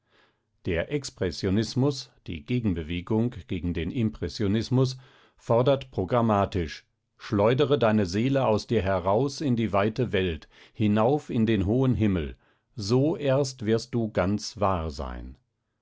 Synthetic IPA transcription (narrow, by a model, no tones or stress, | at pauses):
d̥eːɐʔɛkspʁ̥ɛsjonɪsmʊsd̥ḭːɡeːɡŋ̩bəveːɡʊŋɡ̥eːɡŋ̩deːnʔɪmpʁ̥ɛsjonɪsmʊs | fɔɐdɐtpʁ̥oɡʁamaːtɪʃ | ʃlɔʏdəʁədaɪnəzeːləaʊsd̥iːɐɦɛʁaʊsɪndiːvaɪtəvɛlt | hɪnaʊfɪndeːnɦoːənɦɪml̩ | zoːʔɛɐstv̥ɪɐst̚d̥uːɡant͡sv̥aːɐza̰ɪn